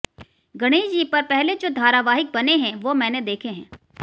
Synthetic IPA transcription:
ɡɐɽ̃iːd͡ʒiːpɐɾpɛɦled͡ʒoːd̪ʱaːɾaʋaːɦɪk̚bɐneɦɛ̃ʋoːmɛ̃ːned̪eːkʰeɦɛ̃ː

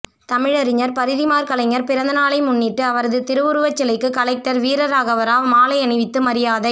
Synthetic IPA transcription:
t̪ɐmɪɻɐɾɪɲɐɾpɐɾɪðɪmaːɾkɐlɐŋɐɾpɪɾɐnd̪ɐnaːlɐɪmʊnːɪʈːɯɐʋɐɾɐðɯt̪ɪɾɯʋɯɾɯʋɐt͡ʃːɛlɐɪkːɯkɐlɐk̚ʈɐɾʋiːɾɐɾaːɣɐʋɐɾaːlmaːlɐɪɐnɪʋɪt̪ːɯmɐɾɪjaːðɐɪ

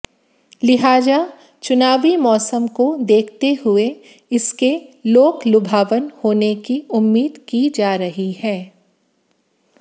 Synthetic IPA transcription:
lɪɦaːd͡ʒa | t͡ʃʊnaːʋimɔːsəmkod̪eːkʰt̪eɦʊe | ɪskeloːklʊbʱaːʋənhoːnekiʊmːiːd̪kid͡ʒaːɾɐɦihɛː

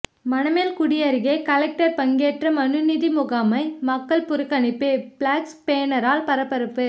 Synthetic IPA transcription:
mɐnɐmeːlkʊɽɪjɐɾɪɣeːkɐlɛk̚ʈɐɾpɐŋɡeːʈrɐmɐnɯnɪðimʊɣaːmɐɪmɐkːɐlpʊɾɯkːɐnɪpːɯpɭaːkspeːnɐɾaːlpɐɾɐpːɐɾɯpːɯ

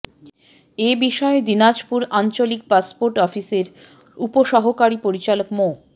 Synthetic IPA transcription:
ebiʃɔed̪inad͡ʑpuɾant͡ɕolik̚paspoɾʈɔfiseɾ | upoʃɔɦokaɾipoɾit͡ɕalokmo

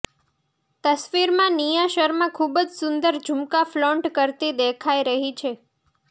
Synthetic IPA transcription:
t̪əsʋiɾmãnijaʃəɾmãkʰubd͡ʒsʊnd̪əɾd͡ʒʱumkaflɔɳʈkəɾt̪id̪ekʰaiɾəɦit͡ʃʰe

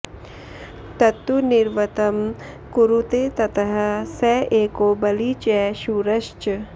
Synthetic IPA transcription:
t̪ɐt̪unɪɾʋɐt̪ɐm | kuɾut̪et̪ɐt̪ɐɦɐsɛːʔeːkoːbɐlit͡ʃɛːʃuːɾɐʃt͡ʃ

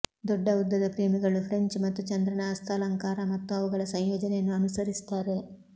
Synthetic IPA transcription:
d̪ɔɖːɐud̪ːɐd̪ɐpɾeːmiɡɐɭupʰɾeɲt͡ʃmɐt̪ːut͡ʃɐnd̪ɾɐɳaːst̪ʰalɐŋkaːɾɐmɐt̪ːuɐʋuɡɐɭɐsɐjjoːd͡ʒɐnejɐnːuɐnusɐɾist̪aːɾe

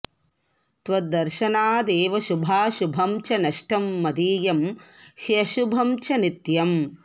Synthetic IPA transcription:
t̪ʋɐd̪ɐɾʃɐnaːd̪eːʋɐʃubʱaːʃubʱɐmt͡ʃɐnɐʃʈɐmːɐd̪iːjɐmhiɐʃubʱɐmt͡ʃɐnit̪jɐm

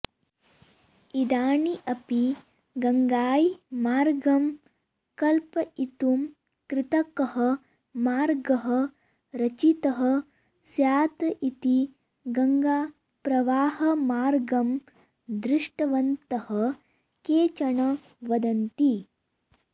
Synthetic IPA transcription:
id̪aːɳiʔɐpi | ɡɐŋɡaːjmaːɾɡɐm | kɐlpɐit̪um | kɾɪt̪ɐkɐɦɐ | maːɾɡɐɦɐ | ɾɐt͡ʃit̪ɐɦɐ | sjaːt̪ɐʔit̪i | ɡɐŋɡaː | pɾɐʋaːhɐmaːɾɡɐm | d̪ɾɪʂʈɐʋɐnt̪ɐhɐ | keːt͡ʃɐɳɐ | ʋɐd̪ɐnt̪i

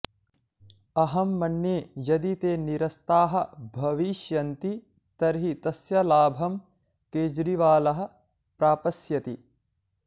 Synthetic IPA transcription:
ɐɦɐmːɐnːeːjɐd̪it̪eːniɾɐst̪aːɦɐ̆bʱɐʋiʃjɐnt̪i | t̪ɐɾɦit̪ɐsjɐlaːbʱɐm | keːd͡ʒɾiʋaːlɐɦɐ̆ | pɾaːpɐsjɐt̪i

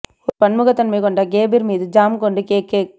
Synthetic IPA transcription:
ɔɾpɐnmɯɣɐt̪ːɐnmɐːkɔɳɖaɡeːbiɾmiːðɯd͡ʒaːmkoɳɖɯkeːkːeː

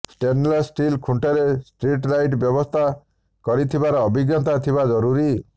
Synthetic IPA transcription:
sʈenlasʈilkʰuɳʈeɾesʈɾiʈɾajʈbjɔbɔst̪ʰa | kɔɾit̪ʰibaɾɔːbiɡjɔt̪at̪ʰibad͡ʒɔɾuɾi

